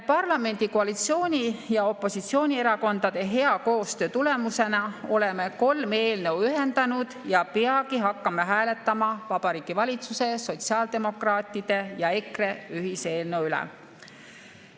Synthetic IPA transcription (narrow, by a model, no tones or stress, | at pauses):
pɑrlɑme̞nʲd̪̥ikoɑlit̪sio̞ːnʲijɑo̞pːˑo̞sit̪sio̞ːnʲie̞ɾɑko̞nd̪̥ɑd̪̥e̞ɦe̞ɑko̞ːst̪ø̞ːt̪ule̞muse̞nɑo̞leme̞ko̞lme̞ːlne̞wyɦe̞nd̪̥ɑnud̪̥jɑpeɑɡiɦɑkˑːɑmɑɦæːle̞t̪ːɑmɑvɑb̥ɑɾiːɡ̥ivɑlʲit̪suse̞so̞t̪siɑːld̪̥e̞mo̞krɑːt̪ːˑid̪̥e̞jɑekre̞yɦiseːlnewylɛ̰